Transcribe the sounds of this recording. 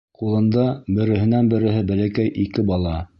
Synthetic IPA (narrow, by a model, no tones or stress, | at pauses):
qulˠɤ̆nd̪ɑbɘ̆ɾɘ̆ɦɘ̆nænbɘ̆ɾɘ̆ɦɘbælækæjʔikɘbɑlˠɑ